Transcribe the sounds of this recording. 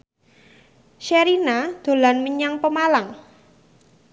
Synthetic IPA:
ʃeɾinad̪̥o̤lanməɲaŋpəmalaŋ

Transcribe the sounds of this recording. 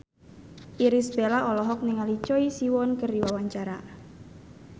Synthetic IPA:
ʔiɾisbelaɔlɔɦɔk̚niŋalit͡ʃɔisiwɔnkərdiwawaɲt͡ʃaɾa

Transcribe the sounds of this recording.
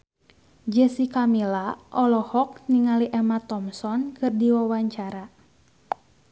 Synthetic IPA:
d͡ʒəsikamilaʔɔlɔhɔk̚niŋaliʔɛmat̪ɔmsɔnkɨrdiwawaɲt͡ʃaɾa

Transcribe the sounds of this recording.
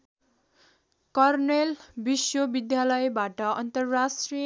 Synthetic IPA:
kʌrnelbiswobid̪jalʌjbaʈʌʌnt̪ʌrːasʈri

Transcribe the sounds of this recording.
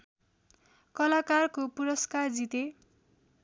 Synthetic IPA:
kʌlakarkopuɾʌskard͡zit̪e

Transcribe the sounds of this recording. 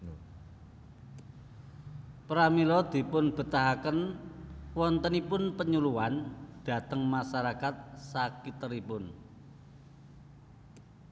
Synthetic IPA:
pɾamilɔd̪̥i̤pʊnb̥ə̤t̪aɦakən | wɔnt̪ənipʊnpəɲuluwand̪̥a̤t̪əŋmasaɾakat̪̚sakit̪əɾipʊn

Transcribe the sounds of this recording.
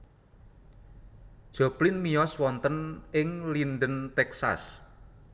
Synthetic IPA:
ʒ̥ɔ̤plɪnmijɔswɔnt̪ənɪŋlinɖənt̪ɛksa̰s

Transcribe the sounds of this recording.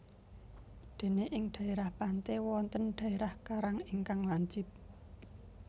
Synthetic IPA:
d̪̥e̤neʔɪŋɖ̪̥ä̤eɾahpant̪ewɔnt̪ənɖ̪̥ä̤eɾahkaɾaŋɪŋkaŋwaɲd͡ʒɪ̤p̚

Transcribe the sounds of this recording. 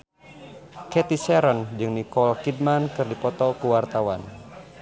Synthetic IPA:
kɛt̪isɛɾɔnd͡ʒɨŋnikɔlkid̚mankɨrdipɔt̪ɔkuwart̪awan

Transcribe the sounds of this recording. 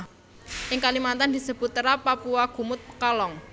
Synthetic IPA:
ʔɪŋkalimant̪and̪i̤səbut̪ːəɾapapuaɡ̥ṳmʊt̪̚kɔlɔŋ

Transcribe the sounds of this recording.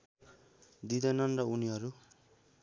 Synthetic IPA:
d̪id̪ʌnʌnrʌuniɦʌɾu

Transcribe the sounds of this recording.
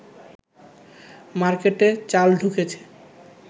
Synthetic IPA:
maɾkeʈet͡ɕalɖʱuket͡ɕʰe̥

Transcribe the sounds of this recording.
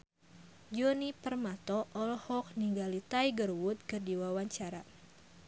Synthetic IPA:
d͡ʒɔnipərmat̪ɔʔɔlɔhɔk̚niŋɡalit̪ajɡərwʊt̪̚kɨrdiwawaɲt͡ʃaɾa

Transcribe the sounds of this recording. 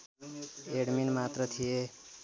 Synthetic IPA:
eɽminmat̪ɾət̪ʰie

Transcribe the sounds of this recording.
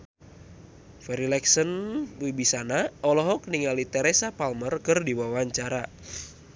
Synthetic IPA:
fɛɾilɛksənbuibisanaɔlɔɦɔk̚niŋalit̪ɛɾesapalmərkɨrdiwawaɲt͡ʃaɾa

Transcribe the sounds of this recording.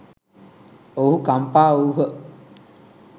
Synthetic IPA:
ohukampaːouɦə

